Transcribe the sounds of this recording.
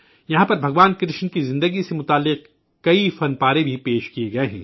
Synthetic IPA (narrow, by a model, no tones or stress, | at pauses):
jɐɦãpɐɾbʱɐɡʋaːnkɾɪʃnkizɪ̃nd̪əɡisemʊt̪aːlːɪq̚ | kɐifɐnpaːɾẽbʱipeːʃkieɡɐeɦɛ̰̃ː